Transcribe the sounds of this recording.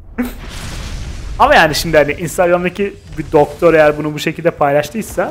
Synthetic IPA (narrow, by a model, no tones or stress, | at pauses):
amajaːniʃimd̪ihaniʔinst̪aɡɾamd̪acʰi | bid̪o̞kt̪ʰo̞ɾe̞jæɾbunubuʃecʰilʲd̪ɛpʰajlˠaʃt̪ʰɯjsa